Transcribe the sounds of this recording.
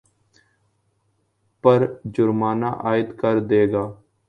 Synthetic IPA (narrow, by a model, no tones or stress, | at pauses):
pəɾd͡ʒʊɾmaːna̰ːʔaːɪd̪kəɾd̪eːɡaː